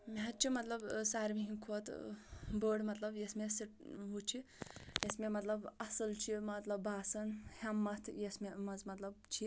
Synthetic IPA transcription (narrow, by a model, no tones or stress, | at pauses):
meɦɐt̪̚t͡ʃʰimɐt̪lɐbsaːɾmiɦĩkʰoːt̪bəːɽmɐt̪lɐbjesmesiʈ̚ɦut͡ʃʰijesmemɐt̪lɐbɐsɨlt͡ʃʰimɐt̪lɐbːaːsɐnhɐmːɐt̪ʰjesmemɐzmɐt̪lɐb̚t͡ʃʰi